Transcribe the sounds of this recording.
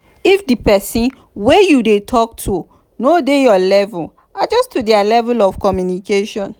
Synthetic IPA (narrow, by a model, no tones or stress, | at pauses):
ifdipɛsĩn | wejudetʰɔk̚tʰu | nodejɔlɛvul | ad͡ʒɔstudɛalɛvɛlɔfkɔmjunikeʃɔ̃n